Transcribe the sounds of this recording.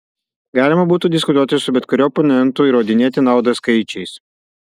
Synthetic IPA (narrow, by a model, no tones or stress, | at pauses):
ɡɑːlʲɪmɐbuːt̪uːd̪ʲɪskʊt̪uɔt̪ʲɪsʊbʲɛt̪kʊɾʲoːpɔnʲɛnˑt̪ʊiɾoːd̪ʲɪnʲeːt̪ʲɪnɑˑʊd̪ɐskɐɪt͡ʃʲɛɪs